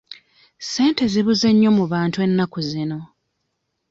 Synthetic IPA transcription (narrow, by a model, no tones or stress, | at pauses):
se̞ːnte̞ziβuze̞ɲːo̞muβaːntue̞nːakuzino̞